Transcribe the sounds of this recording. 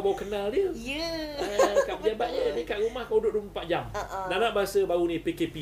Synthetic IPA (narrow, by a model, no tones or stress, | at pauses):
baukənaldəjə | kaʔpəd͡ʒabat̪̚ɲənikaʔɾumahkaudoʔ̚duməpaʔ̚d͡ʒamdanãʔbaɦasəbaunĩpekepi